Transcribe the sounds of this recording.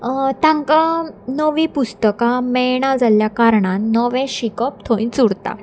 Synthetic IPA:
t̪ãŋkanəʋipust̪əkãmɛɭɳ̃ad͡zaljakaɾɳãnnɔʋɛ̃ɕikɔp̚t̪ʰoĩt͡suɽt̪a̰

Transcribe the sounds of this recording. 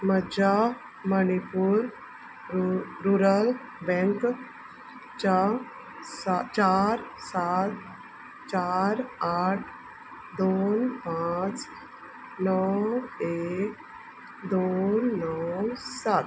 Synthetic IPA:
məd͡ʑa | mənipuːɾ | ɾuɾəl | bɛ̃ŋk | t͡ɕa | sat͡ɕaɾsat̪ | t͡ɕaɾaʈʰ | d̪onpãt͡s | nəwwek | d̪onːəwwsat̪

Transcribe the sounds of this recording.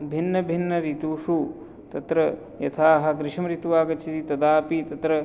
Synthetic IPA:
bʱinːɐbʱinːɐɾit̪uʂu | t̪ɐt̪ɾɐ | jɐt̪ʰaːɦɐ̆ɡɾɪʃɐmɾit̪uʋaːɡɐt͡ʃʰit̪it̪ɐd̪aːpit̪ɐt̪ɾɐ

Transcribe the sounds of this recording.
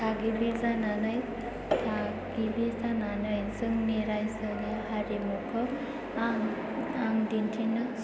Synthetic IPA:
tʰaɡibizananɯj | tʰa | ɡibizananɯjzɯŋniɾajsənihaɾimukʰɔ | aŋ | aŋd̪intʰinɯ

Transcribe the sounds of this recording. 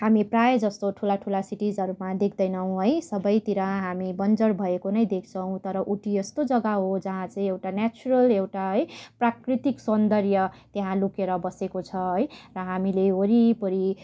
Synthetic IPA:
ɦamiprajd͡zʌst̪oʈʰulaʈʰulasiʈid͡zʌɾumad̪ekʰd̪ʌjnʌw̃ɦʌjsʌbʌjt̪iɾʌɦamibʌnd͡zʌrbʱʌekonʌjd̪ek̚ʰt͡sʰʌw̃t̪ʌɾʌʔuʈijʌst̪od͡zʌɡaɦod͡zʌɦãt͡saĩewʈanjat͡suɾʌlewʈaɦʌjprakrit̪iksʌnd̪ʌrjʌt̪eɦãlukeɾʌbʌsekot͡sʰʌɦʌjrʌɦamileoɾipʌɾi

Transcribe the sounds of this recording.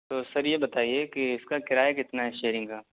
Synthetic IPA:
t̪oːsɐɾjebɐt̪aːiekɪɪskakɪɾaːjakɪt̪naɦɛʃeːɾɪ̃ŋɡkaː

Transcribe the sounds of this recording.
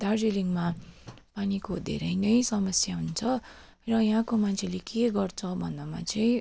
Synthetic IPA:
d̪̥ard͡zeliŋmapanikod̪ʱḛɾʌjnʌjsʌmʌsjaɦunt͡sʰʌ | rʌjʌɦãkomant͡sʰelekeɡʌrt͡sʰʌbʱʌnːʌma̰t͡sʌĩ

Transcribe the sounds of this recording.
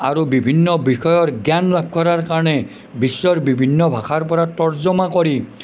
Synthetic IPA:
aɹubibʱinːɔbixɔjɔɾɡjanlab̚ʰʱkʰɔɾaɹkaɹɔnɛ | bisːɔɹbibʱinːɔbʱaxʰaɹp̬ɔɹatɔɹzɔmakɔɹi

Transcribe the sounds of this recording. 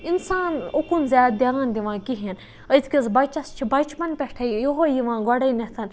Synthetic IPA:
insaːnokunzʲaːt̪̚d̪ʲjand̪iʋãːkiɦin | əd̪kʲizbɐt͡ʃɐst͡ʃʰibɐt͡ʃpɐnpʲɛʈʰɐjjoɦojiʋãːɡɔɽɐnet̪ʰɐn

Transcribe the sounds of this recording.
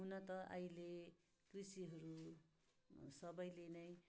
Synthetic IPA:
unʌt̪ʌʔa̰jle | krusiɦʌɾu | sʌbʌjlenʌj

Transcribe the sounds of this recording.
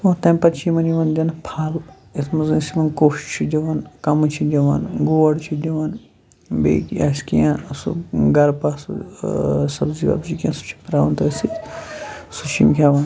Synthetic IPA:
ot̪ɐmʲpɐt͡ʃʰimɐniʋɐnd̪ʲɐnpʰaːl | esʰmɐzɐnsimɐnkoːʃt͡ʃʰid͡ʒɐʋɐnkɐmɐt͡ʃʰid̪ʲɐʋɐ̰nɡoːɐɽt͡ʃʰid̪ʲɐʋɐn | bḛːkja̰skijãsṵɡɐɾpɐsṵ | sɐbziʋɐ̰bzikijã̰nsu̥t͡ʃʰi̥pɾaːʋɐnt̪ɐɐsit | sut͡ʃʰḭmkʰʲaːʋɐn

